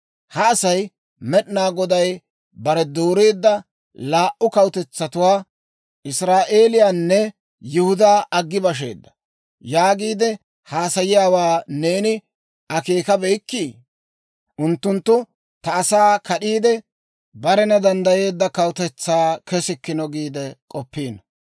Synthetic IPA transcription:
hɐːsɐj | mɛɗnaːɡɔd̪ɐj | bɐɾɛd̪oːɾeːd̪ːɐ | laːʔʊkɐwt̪ɛt͡sːɐt̪ʊwaː | ʔɪsɾaːʔe̞ːlɪjaːnːɛ | jɪhʊd̪aːɐɡːɪbɐʃ̬e̞̰ːd̪ːɐ̥ | jaːɡiːd̪ɛ | haːsɐjɪjaːwaːne̞ːnɪ | ɐke̞ːkɐbɛjkːiː | ʔʊnt̪ːʊnt̪ːʊ | t̪ɐːsaːkɐɗiːd̪ɛ | bɐɾɛnɐd̪ɐnd̪ɐje̞ːd̪ːɐkɐwt̪ɛt͡sːaːkɛsɪkːɪnɔɡiːd̪ɛkʼɔpːiːn

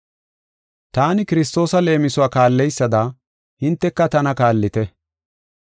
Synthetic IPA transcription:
t̪aːnɪkɪɾɪs̬t̪o̞ːsɐle̞ːmɪsʊwaːkaːlːɛjsːɐd̪aː | hɪnt̪ːɛkːɐt̪ɐnɐkaːlːɪt̪ɛ

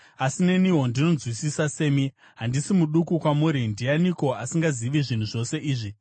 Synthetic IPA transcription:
asine̞niɦo̞ndino̞zwisisase̞ːmi | ɦandisimuɗukukwamuːɾindianiko̞asiŋɡaziʋiʐin̤uʐo̞se̞ʔiːʐi

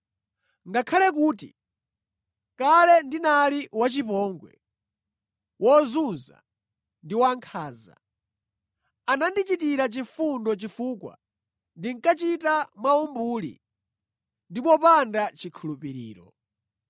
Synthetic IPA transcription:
ŋɡakʰalɛk̬uːti | kalɛndinaliwat͡ʃipɔːŋɡwɛ̰ | wɔzuza̰ | ndiwaŋkʰaːza̰ | anandit͡ʃitiɾat͡ʃifundɔt͡ʃifuːkwa̰ | ndiŋkat͡ʃitamwaumbuːlḭ | ndipɔpandat͡ʃikʰulupiɾḭːɾɔ

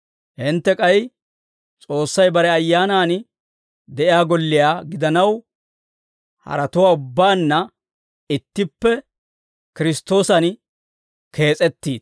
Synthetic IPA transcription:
hɪnt̪ːɛkʼɐj | t͡sʼo̞ːsːɐjbɐɾɛɐjːaːnaːn | d̪ɛʔɪjaːɡɔlːɪjaːɡɪd̪ɐnɐw | hɐ̰ɾɐt̪ʊwaːʊbːaːnːɐ | ɪt̪ːɪpːɛ | kɪɾɪst̪o̞ːsɐn | ke̞ːt͡sʼɛt̪ːiːd̪

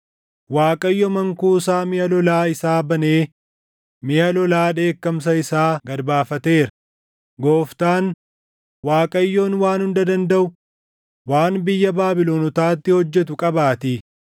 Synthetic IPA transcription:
waːkʼɐjːɔmɐŋkuːsaːmɪjɐlɔlaːɪsaːbɐneː | mɪjɐlɔlaːᶑe̞ːkːɐms̬ɐɪsaːɡɐɾbaːfɐt̪e̞ːɾɐ | ɡo̞ːft̪aːn | waːkʼɐjːoːnwaːnhʊnd̪ɐd̪ɐnd̪ɐʔʊ | waːnbɪjːɐbaːbɪloːnɔt̪aːt̪ːɪhɔd͡ʒːɛt̪̬ʊkʼɐbaːt̪i

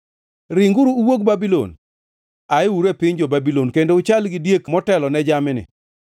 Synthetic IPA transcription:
ɾɪŋɡuɾuuwoɡ̚babilo̰n | aɪwuɾepɪɲd͡ʒobabilonkendoʊt͡ʃalɡɪdjekmɔtɛlɔnɛd͡ʒamɪnɪ̰

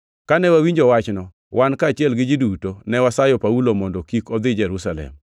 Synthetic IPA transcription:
kanɛwawiɲd͡ʒɔwat͡ʃnɔ | wʔankaːt͡ʃɪɛlɡɪd͡ʒidutonɛwasajɔpaulomɔndɔkikɔd̪ɪd͡ʒɛɾusalɛ̰m

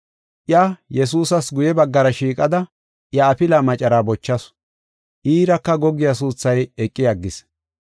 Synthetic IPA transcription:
ʔjajɛs̬uːsɐsɡʊjɛbɐɡːɐɾɐʃiːkʼɐd̪ɐ | ʔjɐːpɪlaːmɐt͡ʃʼɐɾaːbɔt͡ʃːɐs | ʔiːɾɐkːɐɡɔɡɪjas̬uːt͡sːɐjɛkʼːɪjɐɡːɪs

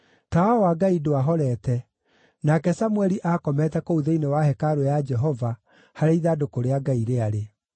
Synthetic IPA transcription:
tawawaɡaidoaɦɔɾɛtɛ | nakɛsamwɛɾiʔakɔmɛtɛkouðeinewahɛkaɾojad͡ʒɛɦɔva | haɾeiðadokoɾeaɡaiɾeaɾe

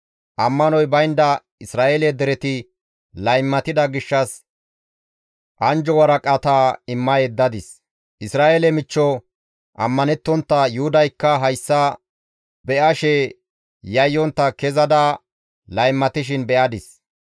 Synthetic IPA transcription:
ʔɐmːɐnɔjbɐjnd̪ɐ | ɪsɾaːʔelɛd̪ɛɾɛt̪ɪ | lɐjmːɐt̪ɪd̪ɐɡɪʃːɐs | ʔɐnd͡ʒɔwɐɾɐkʼɐt̪aːɪmːɐjɛd̪ːɐd̪ɪs | ʔɪsɾaːʔelɛmɪt͡ʃːɔ | ʔɐ̰mːɐnɛt̪ːɔnt̪ːɐjʊhʊd̪ɐjkːɐɦɐjsːɐ | bɛʔɐʃɛ | jɐjːɔnt̪ːɐkɛzɐd̪a | lɐjmːɐt̪ɪʃ̬ɪnbɛʔɐd̪ɪs

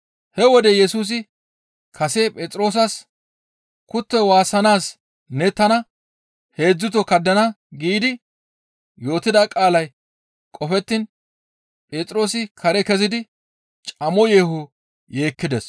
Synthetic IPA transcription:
hɛwɔd̪ɛjɛsuːs̬ɪ | kʰɐseːpʼeːt͡sʼɾo̞ːs̬ɐs | kʊt̪ːɛwaːsɐnaːs | nɛt̪ɐnɐ | he̞ːd͡zːʊt̪ːɔkɐd̪ːɐnɐ | ɡiːd̪ɪ | jo̞ːt̪ɪd̪akʼaːlɐj | kʼɔfɛt̪ːɪn | pʼeːt͡sʼɾo̞ːsɪkʰɐɾɛkɛzɪd̪ɪ | t͡ʃʼɐmɔje̞ːhʊ | je̞ːkːɪd̪ɛs

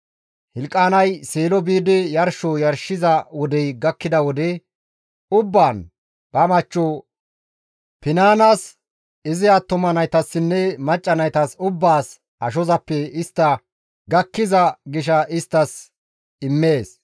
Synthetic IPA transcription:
hɪlkʼːaːnɐjseːlɔbiːd̪ɪjɐɾʃɔjɐɾʃɪzɐwɔd̪ɛjɡɐkːɪd̪ɐwɔd̪ɛ | ʊbːaːn | b̥ɐmɐt͡ʃːɔ | pɪnaːnɐs | ɪzɪjat̪ːʊmɐnɐjt̪ɐsːɪnːɛmɐt͡ʃʼːɐnɐjt̪ɐsʊbːaːs | ɐʃ̬ɔzɐpːɛɪst̪ːɐ | ɡɐkːɪzɐɡɪʃ̬ɐɪst̪ːɐs | ɪmːe̞ːs

